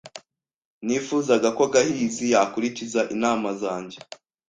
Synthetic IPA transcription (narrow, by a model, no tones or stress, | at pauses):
niːfuːzaɡakoɡahiːzijaːkuɾicizaʔinaːmazaːɲɟe